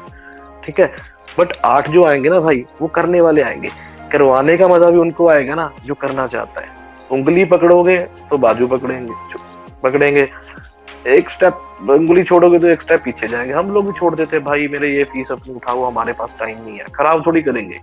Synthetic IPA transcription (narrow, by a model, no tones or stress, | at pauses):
ʈʰiːkɦɛː | bɐʈaːʈʰd͡ʒoːaːẽːŋɡenabʱaːiʋokɐɾneʋaːleaːḛ̃ːŋɡḛː | kɐɾʋaːnekamɐzəbʱiʊnkoaːeɡanad͡ʒoːkɐɾnat͡ʃa̰ːɦt̪a̰ɦɛ̰ː | ʊ̃ŋɡlipɐkɽoːɡet̪obaːd͡ʒupɐkɽẽːɡe | pɐkɽẽːŋɡeː | eːksʈɛːp̚ | ʊ̃ŋɡlit͡ʃʰoːɽoːɡet̪̬oeːksʈɛːpːiːt͡ʃʰed͡ʒaːẽːŋɡeɦɐmloːɡbʱit͡ʃʰoːɽd̪eːt̪ẽɦɛ̃bʱaːimeːɾejefiːsɐpniʊʈʰaoɦɐmaːɾepaːsʈaːɪmnĩɦɛ̰ːxɐɾaːbt̪ʰoːɽikɐɾẽːŋɡḛː